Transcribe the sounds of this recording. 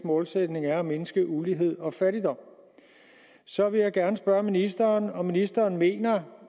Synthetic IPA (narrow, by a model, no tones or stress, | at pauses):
mɔ̽ːlsed̥ne̝ŋæɐæmenəsɡ̥əʔuliɦe̝ð̞̰ˠɒ̽fæɾid̥ɒ̽m̰ | sɒ̽ʋe̝ljɑ̈ɪɡ̥æɐnəsb̥ɶɐminisd̥ɐːnɒ̽minisd̥ɐːnme̝̰ːnɐ